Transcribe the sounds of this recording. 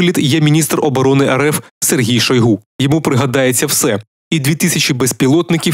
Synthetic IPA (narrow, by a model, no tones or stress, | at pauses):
lʲid̪jɛmʲinʲist̪rɔbɔɾɔnɪʔɛɾɛfserɦʲijʃɔjɦujɔmupɾɪɦɐd̪ɑjet͡sʲːɐwsɛ | id̪ʲʋʲit̪isʲɐt͡ʃibespʲilˠɔt̪nɪkʲi